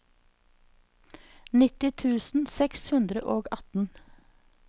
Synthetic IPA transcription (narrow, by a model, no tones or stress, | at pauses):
nɪt̪ɪt̪ʰʉːsn̩sɛkshʉnd̪ɾə̰ʔoːɡɑt̪n̩